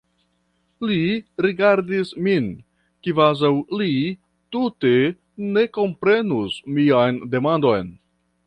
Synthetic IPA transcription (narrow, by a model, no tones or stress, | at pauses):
liɾiɡaɾdismin | kivazawli | tute̞ | ne̞ko̞mpɾe̞nusmiajnde̞mando̞jn